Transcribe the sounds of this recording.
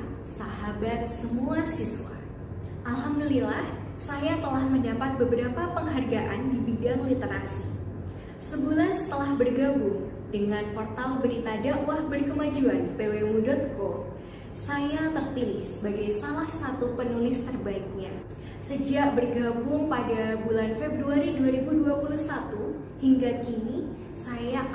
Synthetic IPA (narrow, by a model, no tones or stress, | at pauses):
saɦabat̪̚səmuasiswa̰ | ʔalɦamdulilah | sajat̪əlahməndapat̪̚bəbəɾapapəŋɦarɡaʔandibidaŋlit̪eɾa̰si | səbulansə̥t̪əlahbərɡabʊŋ | dəŋanpɔrt̪albəɾit̪adawahbərkəmad͡ʒuanpewemudɔt̪̚ko | sajat̪ərpilɪhsəbaɡajsalahsat̪upənulɪst̪ərbaik̚ɲa | səd͡ʒaʔbərɡabʊŋpadabulanfebɾuaɾiduaɾibuduapuluhsat̪u | hiŋɡakini | saja